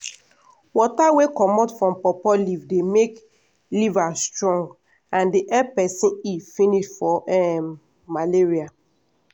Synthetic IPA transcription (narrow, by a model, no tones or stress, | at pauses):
wɔtawekɔmɔtfɹɔ̃mpɔpɔlivdemek | livastɹɔ̃ŋɡ | ãndiʔɛpɛsĩifĩniʃfɔʔɛmː | aleɹia